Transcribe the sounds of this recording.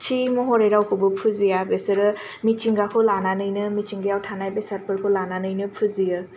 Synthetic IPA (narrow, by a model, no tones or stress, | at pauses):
t͡ʃʰimɔɦɔɾeɾawkʰɯbɯpʰuzijabesɯɾɯ | mit͡ʃiŋɡakʰɯlananɯjnɯmit͡ʃiŋɡajawtʰanajbesaɾpʰɯɾkʰolananɯjnɯpʰuzijɯ